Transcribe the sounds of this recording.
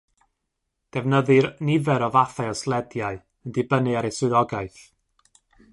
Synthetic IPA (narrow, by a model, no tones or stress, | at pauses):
d̥ɛvnəðɨrnɪvɛɾɔvaθɛɔslˠɛdjaɨ | əndɪbənɨaɾɛsʊðɔɡaɨθ